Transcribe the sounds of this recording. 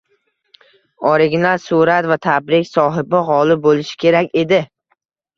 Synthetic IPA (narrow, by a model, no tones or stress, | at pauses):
ɒɾɪɡʲɪnasuɾat̪vat̪ʰabɾɪkʲsɒɦɪbɪʁɒlɪbolɪʃɪ̥kʲʰe̞ɾakʲe̞d̪ɪ